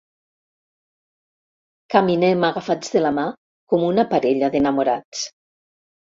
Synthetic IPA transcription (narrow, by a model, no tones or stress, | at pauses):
kaminɛmaɣafad͡zðelama | kɔmunapaɾeʎaðenamuɾat͡s